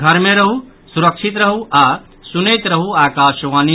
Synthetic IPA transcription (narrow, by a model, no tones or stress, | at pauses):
ɡʱɐɾmẽɾɐɦu | suɾɐkʃit̪ɾɐɦuaː | sunejt̪ɾɐɦuaːkaːʃʋaːni